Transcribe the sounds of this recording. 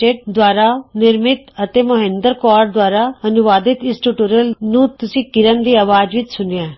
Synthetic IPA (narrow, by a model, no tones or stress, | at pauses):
eːʈ̚d̪waːɾanɪɾmɪt̪ət̪emɐɦẽːnd̪əɾkɔːɾd̪waːɾaɐnʊʋaːd̪ɪt̪ɪsʈuʈuːɾəlnũt̪ʊsĩkɪɾənd̪iːaːʋaːd͡ʒʋɪt͡ʃsʊnãː